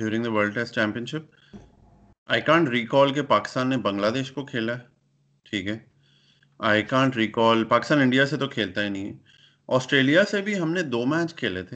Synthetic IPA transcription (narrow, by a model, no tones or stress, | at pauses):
ɖjuːɾɪ̃ŋd̪əʋəːɾlɖʈɛsʈt͡ʃɛ̃ːmpiə̃nʃɪp̚ | aːɪkãːɳʈɾiːkɔːlkepaːkɪst̪ãːnːebɐ̃ŋɡlaːd̪eːʃkokʰeːla | ʈʰiːkɦɛː | aɪkãːɳʈɾiːkɔːlpaːkɪst̪aːnɪ̃ɳɖijaset̪okʰeːlt̪aɦɛnɐɦĩɛ | ɔːsʈɾeːlijasebʱiɦɐmned̪oːmɛːt͡ʃkʰeːlet̪ʰe